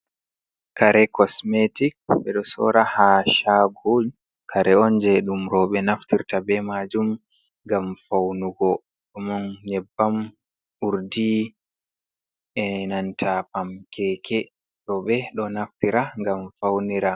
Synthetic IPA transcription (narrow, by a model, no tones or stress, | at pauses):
kaɾɛkɔsmetik̚ɓɛ̰ɗɔsɔ̰ɾahaʃaɡu | kʰaɾɛɔnd͡ʒɛɗumɾɔɓɛnaftiɾtabɛmad͡ʒum | ŋɡamfawnuɡɔ | ɗɔmɔnɲɛbːam | uɾdi | ʔɛnantʰapamkʰɛkʰɛ | ɾɔɓɛɗɔnaftiɾaŋɡamfawniɾa